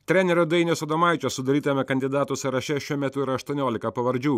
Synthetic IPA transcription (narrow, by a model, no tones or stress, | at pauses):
t̪ʲɾʲɛnʲɛɾʲʊd̪ɐɪnʲosɐd̪ɐmɑɪt͡ʃʲossʊd̪ɐɾʲiːt̪ɐmʲɛkɐnʲd̪ʲɪd̪ɑːt̪oːsʲɛɾɐʃʲɛʃʲuɔmʲɛt̪ʊɪɾɐʃt̪uɔnʲoːlʲɪkɐpɐʋɐɾʲd͡ʒʲuː